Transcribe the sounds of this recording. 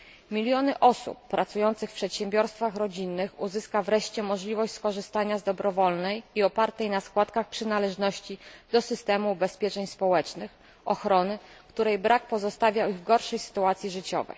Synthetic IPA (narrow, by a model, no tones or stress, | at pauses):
mʲilʲjɔnɘʔɔsṵpːɾat̪sujɔnt̪sɘxfpʂɛt̪ɕɛmbʲjɔɾst̪faxɾɔd͡ʑinːɘxuzɘskavɾɛʂt͡ɕɛmɔʐlʲivɔɕt͡ɕʲskɔʐɘst̪aɲazd̪ɔbɾɔvɔlnɛjiɔpaɾt̪ɛjnaskwat̪kaxpʂɘnalɛʐnɔɕt͡ɕid̪ɔsɘst̪ɛmubɛspʲjɛt͡ʂɛɲspɔwɛt͡ʂnɘx | ɔxɾɔnɘ | kt̪uɾɛjbɾʔak̚pɔzɔst̪avʲjawiɣvɡɔɾʂɛjsɘ̥t̪uat̪sʲjiʐɘt͡ɕɔ̰vɛ̰j